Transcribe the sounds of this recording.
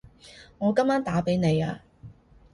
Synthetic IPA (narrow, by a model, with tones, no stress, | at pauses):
ŋɔː˨˧kɐ˥mːaː˥nt̪aː˨˥pe˨˥jne˨˧jaː˧